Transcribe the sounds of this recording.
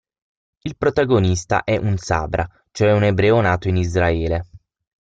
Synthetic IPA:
ilpɾot̪aɡonist̪a̰ʔɛʔunsa̰ːbɾʔa | t͡ʃoɛunebɾɛːonaːt̪oinizɾaɛːle

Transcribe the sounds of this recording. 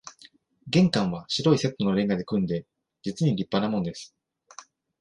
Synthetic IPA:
ɡẽ̞ŋkãɰ̃βaɕiɾo̞ise̞t̪ːo̞no̞ɾẽ̞ŋɡad̪e̞kɯ̟̃nd̪e̞ | d͡ʑit͡sɨɲ̟iɾʲipːanamõ̞nd̪esɨ̥

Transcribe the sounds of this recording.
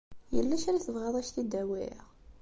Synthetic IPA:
jə̰lːæʃæɾæθəvʁɑðˤæʃt̪id̪æwɪ̰ʁ

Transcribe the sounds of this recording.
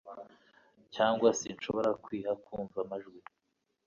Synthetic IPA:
caːŋɡwasinʃo̞βo̞ɾakwiːhakuːɱvamaʒɡwi

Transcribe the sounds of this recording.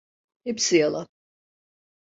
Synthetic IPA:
hepsijalˠa

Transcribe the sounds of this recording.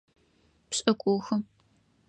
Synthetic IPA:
pɕʼɐkʷʼoːxɐ

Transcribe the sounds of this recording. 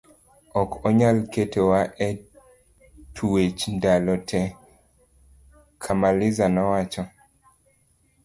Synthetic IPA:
ɔkɔɲalketewaʔɛ | tʰuwet͡ʃndalɔtʰɛ | kʰamalɪzanɔwat͡ʃɔ

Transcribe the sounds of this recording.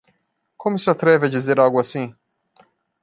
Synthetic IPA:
kʰõmʊsɪat̪ɾɛvɪad͡ʒizeɾawɡʊasĩ

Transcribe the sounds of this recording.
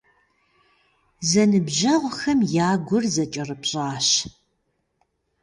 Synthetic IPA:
zɐnɨbʒɐʁʷxɐmjaːɡʷʊrzɐt͡ʃʼɐrɨpɕʼaːɕ

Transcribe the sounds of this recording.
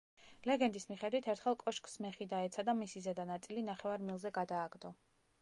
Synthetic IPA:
lɛɡɛnd̪ismiχɛd̪wit̪ʰɛɾt̪ʰχɛlˠkʼɔʃkʼsmɛχid̪aɛt̪sʰad̪amisizɛd̪anat̪sʼilinaχɛvaɾmilˠzɛɡad̪aːɡd̪ɔ

